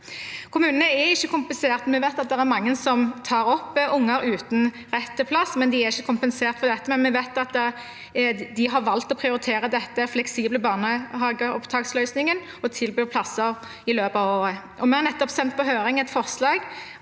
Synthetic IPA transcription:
kʰʊmʉːnənəɛɪçːəkʰʊmpəseːʁt̪mɛʋæɪt̪ɑt̪̚d̪ɛʁæɾmɑŋːənsɔmt̪ʰɑːɾɔpːʔʊŋːəɾʉːt̪n̩ | ʁɛt̪ːəpʰlɑsmɛnd̪ɪæɾɪçːəkʰʊmpənseːʁt̪fɔʁd̪ɛt̪ːəmɛnmɛʋæɪt̪ɑt̪ː | d̪ɪɦɑʁʋɑlt̪ɔpʰɾɪʊɾɪt̪ʰeːɾəd̪ɛt̪ːəflɛksiːbləbɑːnəɦɑːɡəɔ̰pt̪ʰɑːkslœʏsnɪŋən | ɔt̪ʰɪlbyːʁpʰlɑsəɾ | ɪløːpɑʋoːɾə | ʔɔmɛæʁnɛt̪ːɔpsɛnt̪̚pʰɔɦøːɾɪŋɛt̪fɔʁslɑːɡ

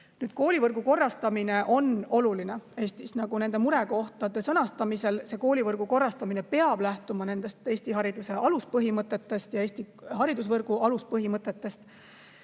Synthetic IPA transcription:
nyːd̪̥̚ko̞ːlivɤrɡ̥uko̞rːɑst̪ɑmine̞ʔo̞no̞luline̞e̞ːst̪isnɑɡ̥une̞nd̪e̞muɾe̞ko̞ht̪ɑd̪̥e̞sɤnɑst̪ɑmise̞lse̞ko̞ːlʲivɤrɡ̥uko̞rːɑst̪ɑmine̞pe̞ɑb̥læht̪umɑne̞nd̪̥e̞st̪e̞ːsʲt̪iɦɑɾid̪̥use̞ʔɑluspɤɦimɤt̪ːˑe̞t̪ːe̞st̪jɑe̞ːst̪iɦɑɾid̪us̬vɤrɡ̥uɑluspɤɦimɤt̪ːˑe̞t̪ːˑe̞st̪

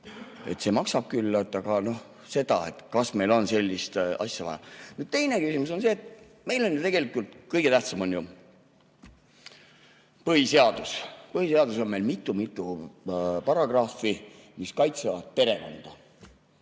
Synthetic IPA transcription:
e̞t̪se̞mɑksɑb̥̚kylːt̪ːˑɑɡ̥ɑno̞h | se̞d̪̥ɑ̰e̞̰t̪kɑsme̞jlo̞nse̞lʲːist̪ɑ̰sʲjɑvɑ̰jɑ̰nyːd̪̥̚t̪e̞jne̞kysimuso̞nse̞ːt̪ | me̞jlo̞njut̪e̞ɡe̞likˑult̪kɤjɡ̥e̞t̪æht̪sɑmo̞nju | pɤhise̞ɑd̪̥uspɤɦhiseɑd̪uso̞nme̞jlmit̪ːˑumit̪ːˑu | pɑrɑɡ̥rɑːfi | miskɑjt̪sevɑd̪̥̚pe̞ɾe̞ko̞̰nd̪̥ɑ

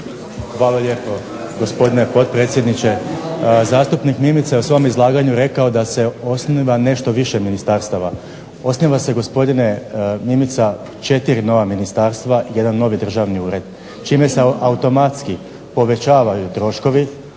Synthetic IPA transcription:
xʋaːloʎʲe̞ːpo̞ | ɡo̞spo̞d̪ine̞po̞t̪̚pɾe̞ːt̪sje̞d̪nit͡ʃe̞ | zaːst̪upnikmimit̪sajeusʋo̞mizlˠaːɡaɲuɾe̞kaod̪ase̞o̞sniʋane̞ʃt̪o̞ʋiʃe̞minist̪aɾst̪aʋa | o̞sniʋase̞ɡo̞spo̞d̪ine̞mimit̪sa | t͡ʃe̞t̪iɾino̞ʋaminist̪aːɾst̪ʋaʔije̞d̪anːo̞ʋid̪r̩ʒaʋniuːɾe̞d̪ | t͡ʃiːme̞seʔaut̪o̞mat̪ski | po̞ʋe̞t͡ʃaːʋajut̪ɾo̞ʃko̞ʋi

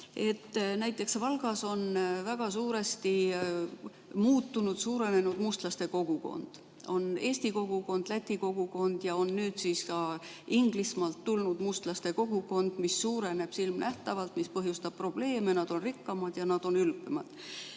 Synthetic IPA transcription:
e̞t̪ːnæjt̪ːˑe̞ksvɑlɡ̥ɑso̞nvæɡ̥ɑsuːɾe̞st̪i | muːt̪ːunud̪̥suːɾe̞ne̞nud̪̥must̪lɑst̪e̞ko̞ɡ̥uko̞̰nd̪̥ | o̞ne̞ːst̪iko̞ɡ̥uko̞nd̪̥læt̪ʲːˑiko̞ɡ̥uko̞nd̪̥jɑo̞nːyːd̪̥siskɑ | iŋɡ̥lismɑːlt̪ːulnud̪̥must̪lɑst̪e̞ko̞ɡ̥uko̞nd̪̥misːuːɾe̞ne̞b̥silmnʔæht̪ɑvɑlt̪mispɤɦjust̪ɑb̥̚pro̞b̥le̞ːme̞nɑd̪̥o̞nrikːɑmɑd̪̥jɑnɑd̪̥o̞nylpːˑemɑd̪̥

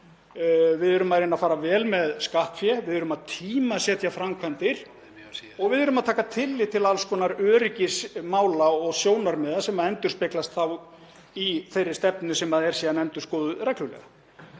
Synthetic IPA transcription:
vɪðʏɾʏmaðɾejnafaːɾavɛːlmɛðskaht̪fjɛvɪðʏɾʏmaðt̪ʰiːmasjɛt̪ʰjafɾamkʰvant̪ɪɾ̥ | ɔɣvɪðʏɾʏmaðt̪ʰaːkat̪ʰɪlːɪt̪ʰɪlalskɔːnaɾœːɾɪcɪsmaːwlaɔɣsjoːwnaɾmɛːðasɛmaðɛnt̪ʏɾ̥spɪklast̪θaw | iθejrːɪ̥st̪ɛpnʏsɛmaðɛɾsɛːðanɛnt̪ʏɾ̥skɔːðʏɾɛjklʏlɛ̰ɣa

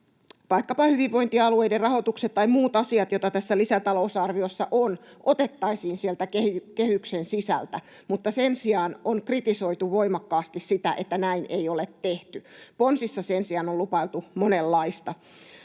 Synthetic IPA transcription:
tɑikːɑpɑhyʋiʋʋo̞jnt̪iɑlueijderrɑho̞t̪ukset̪tːɑimuːt̪ɑsiɑt̪jot̪ɑt̪æsːælisæt̪ɑlousɑrʋiosːɑʔonʔot̪e̞t̪ːɑisiːnsielt̪ækekehyksensisæ̰lt̪æ | mut̪ːɑsensiɑːnonkrit̪iso̞jt̪uʋo̞imɑkːɑːst̪issit̪æʔet̪ːænæinʔejolet̪ːeht̪yponsisːɑsensiɑnolupɑilt̪umonelːɑist̪ɑ

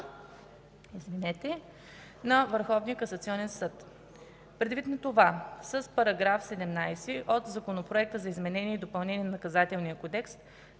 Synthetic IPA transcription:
izvinɛt̪ɛ | nɐvəɾxɔvnijəkɐsɐt̪siɔnɛnsɤt̪ | pɾɛd̪vit̪nɐt̪ovasəspɐɾɐɡɾafsɛd̪ɛmnajsɛʔot̪zɐkonopɾoɛk̚t̪əzɐizmɛnɛnʲiɛid̪opɐlˠnɛniɛnnɐkɐzat̪ɛlˠnijəkod̪ɛkst̪

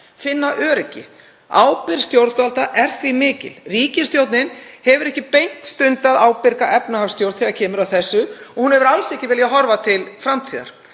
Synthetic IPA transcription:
fɪnːaʔœːɾɛcːɪ̰ | a̰ːwpɪɾ̥st̪jowɾt̪valt̪aʔɛɾ̥θvimɪːcɪ̰lriːcɪst̪jowt̪nɪnhɛvʏɾɛhcɪpejn̥t̪st̪ʏnt̪aðaːwpɪɾkaʔɛpnahafst̪jowɾðθiɣacʰɛːmʏɾawθɛsːʏɔhunhɛvʏɾalsɛhcɪvɪːljaɦɔɾvat̪ʰɪlfɾamt̪ʰiːða̰ɾ̥

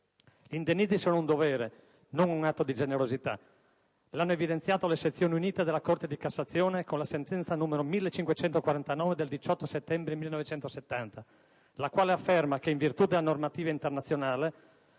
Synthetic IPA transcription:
lind̪enːid̪zisoːnound̪ovɛːɾe | noŋuŋat̪ːod̪id͡ʒeneɾozit̪a̰ | lanːoevid̪ent̪sjaːt̪olet͡ʃːet̪sːjoːneuniːt̪ed̪elːakort̪ed̪ikasːat̪sːjoːnekonlasent̪ɛnt̪sanːuːmeɾomilːet͡ʃːiŋkwet͡ʃɛnt̪okwaɾant̪anɔːved̪eld̪it͡ʃɔt̪ːoset̪ːɛmbɾemilːenɔvet͡ʃɛnt̪oset̪ːant̪a | lakwaːleafːermakeiɱvirt̪ud̪elːanormat̪iːvaint̪ernat̪sːjonaːle

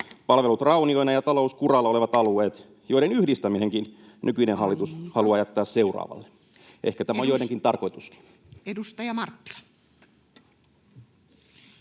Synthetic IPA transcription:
pɑlʋelut̪rɑunio̞inɑjɑt̪ɑlouskurɑlːɑoleʋɑt̪ɑlueːt̪ | jo̞iɾenyhdist̪æmineŋkin | nykyinenhɑlːit̪ushɑluɑjæt̪ːɑːsseurɑ̰ːʋɑ̰lːe̥ | ʔḛhkæt̪æmæojojneŋkint̪ɑrko̞it̪uski̥n | edust̪ɑjɑmɑrt̪ːi̥lɑ̥

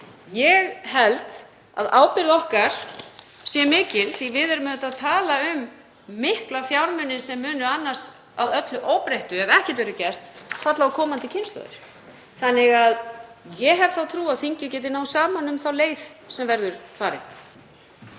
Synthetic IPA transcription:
jɛɣɦɛlt̪ | a̰ðaːwpɪɾðɔhkaɾ̥ | sjɛmɪːcɪlθivɪðɛɾmɛt̪aðt̪ʰaːlaʏmː | ɪhklafjawɾmʏnːɪsɛmːʏːnʏanːḁs | awœt̪lʏʔowpɾeht̪ʏɛvɛhcɛt̪vɛːɾʏcɛr̥t̪fat̪laðkʰɔːmant̪ɪcʰɪnst̪lœ̰ðɪ̰ɾ̥ | θanːɪɣaðjɛɦɛv̥θawt̪ʰɾuːaðθiɲcɪcɛːt̪̬ɪnaːwsaːmanʏmθawleːjðsɛmvɛɾðʏɾ̥faːɾɪ̰

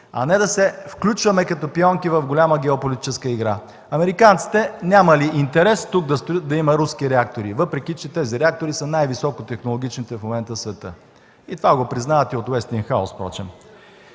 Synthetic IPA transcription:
ɐ̰nɛd̪ɐsɛfklʲut͡ʃvɐmɛkɐt̪opiɔŋkivɐvɡolʲaməɡ̟ɛopolʲit̪i̥t͡ʃɛskəiɡɾa | ɐmɛɾikant̪si̥t̪ɛnʲamɐliʔint̪ɛɾɛst̪uɡ̚d̪ɐst̪ojət̪̚d̪ɐimɐɾuskiɾɛak̚t̪oɾivɤpɾɛkʲit͡ʃɛt̪ɛziɾɛak̚t̪oɾisənajvisɔkot̪ɛxnolˠoɡʲit͡ʃnit̪ɛfmomɛnt̪əsvɛt̪ɤ̰ | it̪ovaɡopɾiznaɐt̪iot̪wɛst̪iŋxaʊspɾɔ̰t͡ʃɛ̰m

